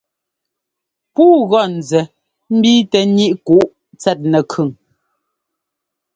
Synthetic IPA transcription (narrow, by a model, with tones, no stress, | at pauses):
puː˦ɣɔ˦˨n̩˨zɛ˨ | m̩˦biː˦tɛ˨ni˦ʔku˨ʔ | t͡sɛ˦˨t̚nɛ˨kʰʉ˨ŋ